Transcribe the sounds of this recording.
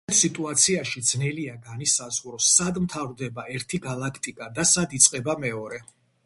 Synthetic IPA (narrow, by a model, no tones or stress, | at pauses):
t̪ʰsit̪ʼuat̪sʰiaʃid̪znɛliaɡanisazʁɾɔsːad̪mt̪ʰavɾd̪ɛbaɛɾt̪ʰiɡalˠakʰt̪ʼikʼad̪asad̪it̪sʼqʼɛbamɛɔɾɛ